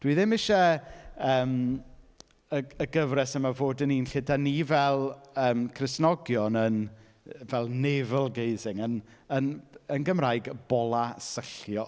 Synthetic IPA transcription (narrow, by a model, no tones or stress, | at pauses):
d̥wiːðɪmɪʃɛəːm | əəɡəvrɛsəmavoːdəniːnɬɪdanivɛlˠəːmkʰrɪsnɔɡjɔnən | vɛlˠnɛvəlˠɡejzɪŋən | ənənɡəmrajɡb̥ɔlˠasəɬjɔ